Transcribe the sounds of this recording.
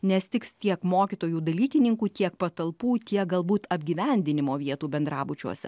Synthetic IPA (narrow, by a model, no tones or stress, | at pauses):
nʲɛsʲt̪ʲɪkst̪ʲiɛkmoːkʲɪt̪oːjuːd̪ɐlʲiːkʲɪnʲɪŋkuːt̪ʲiɛkpɐt̪ɐlˠpuːt̪ʲiɛk̚ɡɐlˠbuːt̪ɐbʲɡʲiːʋʲɛnʲd̪ʲɪnʲɪmoːʋʲiɛt̪uːbʲɛnd̪ɾɑːbʊt͡ʃʲṵɔsʲɛ̰